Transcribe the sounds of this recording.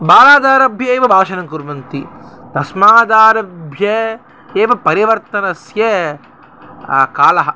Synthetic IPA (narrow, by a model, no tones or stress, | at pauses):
baːlaːd̪aːɾɐbʱjɐeːʋɐbʱaːʃɐnɐŋkuɾmɐnt̪it̪ɐsmaːd̪aːɾɐbʱjɐ | eːʋɐpɐɾiʋɐɾt̪ɐnɐsjɐ | kaːlɐɦɐ̆